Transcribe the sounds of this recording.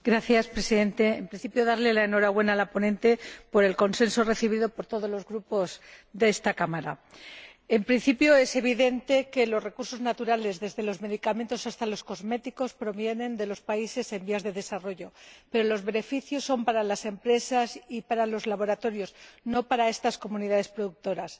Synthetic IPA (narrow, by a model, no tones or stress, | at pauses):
ɡɾaθjaspɾe̞siðe̞nt̪e̞ːmpɾin̟θipjo̞ðaɾle̞laeno̞ɾaɣwe̞naːlapo̞nẽ̞nt̪e̞po̞ɾe̞lko̞nse̞nso̞re̞θiβ̞iðo̞po̞ɾt̪o̞ðo̞zlo̞zɣɾupo̞zðeest̪akamaɾa̰ | e̞mpɾin̟θipjo̞e̞se̞β̞iðe̞nt̪e̞ke̞lo̞sre̞kuɾso̞znat̪uɾale̞zðe̞zðe̞lo̞zme̞ðikame̞nt̪o̞sast̪alo̞sko̞zme̞t̪iko̞spɾo̞βje̞nẽ̞nd̪e̞lo̞spaise̞se̞mbiazðe̞ðe̞saro̞ʝo̞pe̞ɾo̞lo̞zβe̞ne̞fiθjo̞sːo̞mpaɾalase̞mpɾe̞sasipaɾalo̞zlaβ̞o̞ɾat̪o̞ɾjo̞sno̞paɾae̞st̪asko̞mũniðaðe̞spɾo̞ðuk̚t̪o̞ɾas